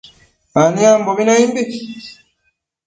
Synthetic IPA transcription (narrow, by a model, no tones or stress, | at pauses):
maniambominaimbi